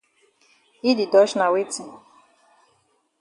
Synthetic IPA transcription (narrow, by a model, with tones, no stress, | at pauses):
i˦di˨dɔ˨˦ʃna˨we˦ti˨